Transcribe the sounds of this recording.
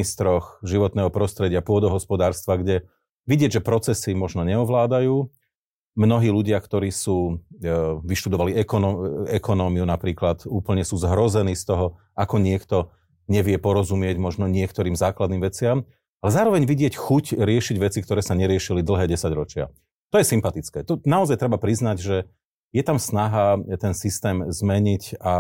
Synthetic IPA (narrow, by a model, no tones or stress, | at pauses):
ist̪ɾɔxʒiʋɔt̪nɛːɦɔpɾɔst̪ɾɛɟɪapʊɔd̪ɔɦɔspɔd̪aːɾst̪ʋaɡɟɛ | ʋiɟɪɛɟʒɛpɾɔt͡sɛsimɔʒnɔɲɛɔʋlaːd̪ajuː | mnɔɦiːluɟɪakt̪ɔɾiːsuː | ʋiʃt̪ud̪ɔʋaliɛkɔnɔɛkɔnɔːmiunapɾiːklat̪uːpl̩ɲɛsuːzɦɾɔzɛniːst̪ɔɦɔ | akɔɲɪɛkt̪ɔ | ɲɛʋɪɛpɔɾɔzumɪɛɟmɔʒnɔɲɪɛkt̪ɔɾiːmzaːklad̪niːmʋɛt͡sɪam | alɛzaːɾɔʋɛɲʋiɟɪɛcxucɾɪɛʃiɟʋɛt͡sikt̪ɔɾɛːsaɲɛɾɪɛʃilid̪l̩ɦɛːɟɛsaɟɾɔt͡ʃɪa̰ | t̪ɔjɛsimpat̪it͡skɛːt̪ɔnaɔzajt̪ɾɛbapɾiznaɟʒɛ | jɛt̪amsnaɦat̪ɛnsist̪ɛːmzmɛɲica